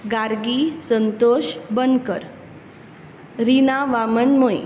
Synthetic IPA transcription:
ɡaɾɡisənt̪oɕbənkəɾ | ɾinaʋamənmoj̰

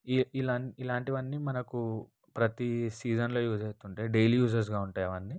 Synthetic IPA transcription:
iilɐnilaːɳʈiʋɐnːimɐnɐku | pɾɐt̪isiːd͡ʒɐnlo̞ːjuːd͡ʒeːst̪uɳʈe̞ːɖejljuːd͡ʒɐɾs̬ɡaːuɳʈaːjɐʋɐnːi

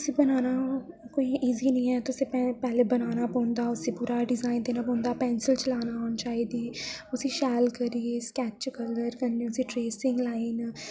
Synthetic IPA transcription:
t̪ʊsĩːbənaːnaː | koːiːʔiːziːnəĩːɛːt̪ʊsĩːpɛpɛːleːbənaːnaːpɔ̃ːnd̪aːʊsĩpuːɾaːɖɪzaːind̪eːnaːpɔ̃ːnd̪aːpɛːnsɪlt͡ʃlaːnaːoːnt͡ʃaːiːd̪iːʊsĩːʃɛːlkəɾieːskɛːt͡ʃkələɾkəɾnẽːʊsĩːʈɾeːsɪŋɡlaːiːn

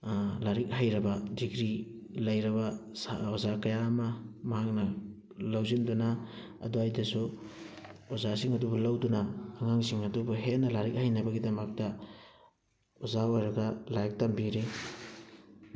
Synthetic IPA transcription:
laɾik̚hajɾɐbɐdiɡɾi | lɐjɾɐβɐsaozakɐjaːmɐmɐɦak̚nɐ | lawzindunɐ | ɐ̰duajdɐsu | ozasiŋɐdubulawdunɐːŋaŋsiŋɐdubuɦenːɐlaɾik̚hajnɐbɐɡidɐmɐk̚tɐ | ozaojɾɐɡɐlajk̚tambiɾi

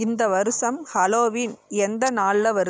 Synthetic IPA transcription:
ɪnd̪ɐʋɐɾɯsɐmhɐloːʋinɛnd̪ɐnaːllɐʋɐɾ

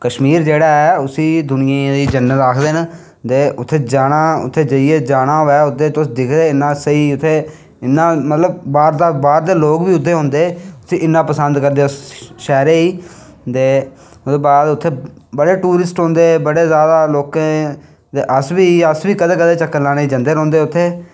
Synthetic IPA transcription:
kəʃmiːɾd͡ʒeːɽaːɛːʊsiːd̪ʊnɪjãːd̪iːd͡ʒənːət̪aːkʰd̪eːnə | t̪eːʔʊt̪ʰːeːd͡ʒaːɽaːʊ̰t̪ʰːeːd͡ʒəieːd͡ʒaːɽ̃aːɦoɛːʊt̪ːeːt̪ʊsd̪ɪkʰɾeːɪnːãːsəiːʊt̪ʰːeː | ɪnːãːmət̪ləbbaːɾd̪aːbaːɾd̪eːloːkbiːʊt̪ʰːeːɦõːnd̪eːʊsʰiːʔɪnːãːpəsənd̪kəɾd̪eːsʃɛːɾeːiː | t̪eː | d̪eːbaːd̪ʊt̪ʰːeː | bəɽeːʈuːɾɪsʈɦõːnd̪eːbəɽeːzjaːd̪aːloːkãː | d̪eːʔəsbiːəsbiːkəd̪eːkəd̪eːt͡ʃəkːəɾlaːneːid͡ʒə̃nd̪eːɾɔ̃ːnd̪eːʊt̪ʰːeː

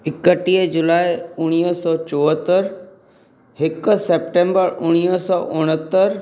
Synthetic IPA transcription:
ɪkəʈiːəd͡ʑʊlaːɪʊɽ̃iːsɔːt͡ɕoːɦət̪əɾ | hɪkseːp̚ʈẽːmbəɾʊɽ̃isɔːʔʊɽ̃ət̪əɾ

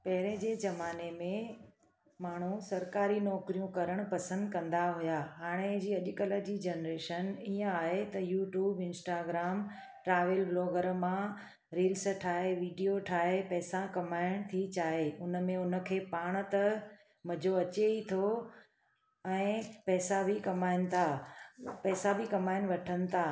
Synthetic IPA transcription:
pɐɦɪɾẽd͡ʑeːzɐmaːnemẽ | maːɳ̤usɐɾkaːɾinɔːkɾijũkɐɾəɽ̃pɐsə̃nd̪kɐ̃nd̪aɦʊjaɦaːɽ̃ed͡ʑiːɐʄʊkələd͡ʑid͡ʑenɾeːʃəniə̃aːɦet̪ɐjuːʈjuːbɪ̃nsʈaːɡɾaːm | ʈɾaːʋelbloːɡəɾmã | ɾiːlsʈʰaːɦeʋiːɖijoʈʰaːɦepɛːsãkɐmaːɪɽ̃t̪ʰit͡ɕaːɦeʊnə̆mẽʊnə̆kʰeːpaːɽ̃ə̆t̪ɐ | mɐ̃d͡ʑoɐt͡ɕeit̪ʰo | ɛ̃ːpɛːsabʱɪkɐmaːɪnɪ̆t̪ʰa | pɛːsabʱɪkɐmaːɪɽ̃ʋɐʈʰənɪ̆t̪ʰaː

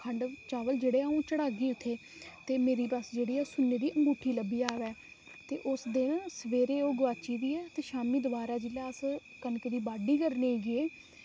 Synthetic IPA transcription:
kʰəɳɖt͡ʃaːʋəld͡ʒeːɽeːaːũːt͡ʃəɽaːɡiːʊt̪ʰːeː | t̪eːmeːɾiːbəsd͡ʒeːɽiːɛːsʊnːeːd̪iːʔəŋɡuːʈʰiːləbiːaːʋɛː | t̪eːʔʊsd̪eːnsəʋeːɾeːoːɡəʋaːt͡ʃiːd̪iːɛːt̪eːʃaːmiːd̪ʊbaːɾaːd͡ʒɪlaːs | kənked̪iːbaːɖiːkəɾneːɡɪeː

